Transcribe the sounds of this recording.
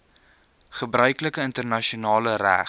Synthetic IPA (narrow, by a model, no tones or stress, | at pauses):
χəbrœɥkləkəəntərnɐʃiunɑːləɾæ̰